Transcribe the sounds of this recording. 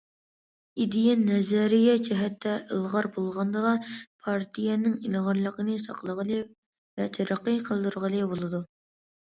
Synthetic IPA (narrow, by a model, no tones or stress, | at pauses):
id̪ɪjɛnɛzɛɾɪjɛd͡ʒɛɦɛt̪ʰːɛʔəlˠʁɑɾbolˠʁɑnd̪əʁˠɑpʰɑɾt̪ʰijɛnɪŋilʁɑɾlˠəqənɨsɑ̰qlˠəʁəlˠɨ | vɛt̪ʰæɾɑqːəjqʰəlˠd̪uɾʁəlˠɨbolˠɨd̪u